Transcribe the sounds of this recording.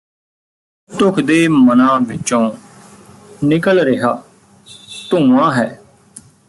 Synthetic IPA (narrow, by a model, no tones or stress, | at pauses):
t̪ʊkʰd̪eːmənãːʋɪt͡ʃõː | nɪkəlɾɪɦaː | t̪ũːʋãːɦɛː